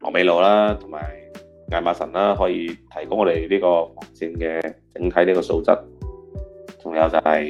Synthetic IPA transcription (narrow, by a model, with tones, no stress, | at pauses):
mɔ̰˨me˨˧˥jlo˨˩wlaː˥t̪ʰʊ˨˩ŋma̰ː˨˩j | ŋaː˨˧jmaː˨˧sɐ˨˩nlaː˥ɦɔː˨˥jiː˧t̪ʰɐ˨˩jkʊ˥ŋɔː˨˧d̪e˨jliː˥kɔː˧fɔː˨˩ŋt͡sʰiː˧nkɛː˧t͡sɪ˨˥ŋt̪ʰɐ˨˥jliː˥kɔː˧so̰˧wt͡sɐ̰˥t̚ | t͡sʊ˨˩ŋjɐ˨˧wt͡sɐ˨˧˩hɐ˨j